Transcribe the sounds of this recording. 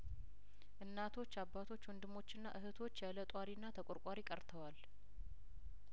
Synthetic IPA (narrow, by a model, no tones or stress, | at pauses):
ʔɨnːat̪ʰo̞t͡ʃːabːat̪ʰo̞t͡ʃːwɔnd̪ɨmo̞t͡ʃːɨnːa̰ʔɨɦɨt̪ʰo̞t͡ʃːjɛlət̪ʼwaɾinːat̪ʰəkʼoɾkʼaɾikʼəɾt̪ʰəwal